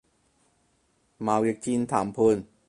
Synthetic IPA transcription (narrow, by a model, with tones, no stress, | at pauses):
maː˨˧˦we˨˦˥k̚t͡ɕi˧nt̪ʰaː˨˦mpʰu˧˩˨n